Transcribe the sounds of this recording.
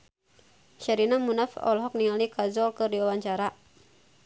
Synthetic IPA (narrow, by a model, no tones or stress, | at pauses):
ʃaɾinamunafɔ̰lɦɔk̚niŋalikazɔlkɨrdiwawaɲt͡ʃaɾa